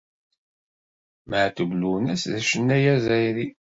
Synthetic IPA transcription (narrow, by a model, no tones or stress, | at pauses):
məʕθəblunæsðæʃənːæjæzæjɾi